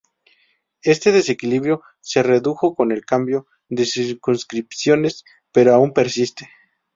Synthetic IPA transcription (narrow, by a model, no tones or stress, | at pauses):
e̞st̪e̞ðe̞se̞kiliβɾjo̞ | se̞re̞ðuxo̞ko̞ne̞lkambjo̞ | ðesiɾkunskɾipsjo̞ne̞s | pe̞ɾoaumpe̞ɾsist̪e̞̥